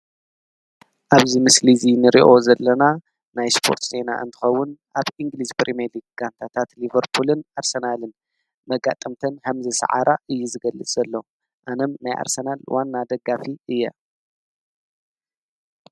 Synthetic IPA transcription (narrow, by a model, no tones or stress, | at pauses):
ʔaβzimɨslizinɨɾḭʔo̞zɐlːɐna | najspʰo̞̰ɾt̪ze̞na̰ʔɨnt̪ʰɨ̥xɐwːʊnʔaβiŋɡlispʰɾʔimelikɡ̥ant̪ʰat̪ʰat̪livɐɾpʰulɨnʔaɾsɐnalɨn | mɐɡa̰t̪ʼɐmt̪ʰɐnhɐmzɨsɐ̰ʕa̰ɾʔaʔɨjːuzɨɡɐlːɨt͡sʼzɐlːo | ʔanɐmnajʔa̰ɾsɐnalwanːad̪ɐɡːafiʔɨjːɐ̰